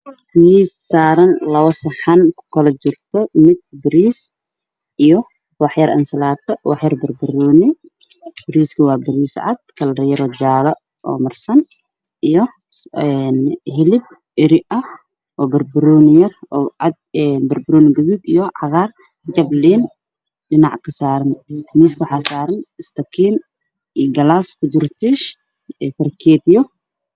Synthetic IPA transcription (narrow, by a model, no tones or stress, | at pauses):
niːsːaːɾɐnlɐwɐsɪħankʰʊ̥kʰɐlɐt͡ʃɪrt̪ʰɔmɪd̪̚bɪɾiːs | ʔijɔ | wɑħjɐɾʔɐ̰nsɐlaːt̪ʰɐwɑħjɐrbɐrbɪɾɔːnɪ | b̥ɪɾiːskʰɐwɑːbɪɾiːsʕa̰d̪̥̚kʰɐlɾjɐɾɔːd͡ʒaːlɐ | ɔ̰ːmɐrsɐn | ʔijɔ | ɛnhɪlɪb̚ | ɪɾɪɐh | ʔɔːbɐrbʊɾuːnɪjɐrɔːʕɑd̪ɛnbɐrbʊɾuːnɪɡɐðud̪ijɔʕɑɣaːr | d͡ʒɐbliːn | ɖɪnaʕkʰɐsaːɾɐnmiːskʊħaːsaːɾɐnɪst̪ʰɐkʰiːn | ɡɐlaːskʊd̪ʊrt̪ʰiːʃ | ɛfɐrkʰɛːt̪jɔ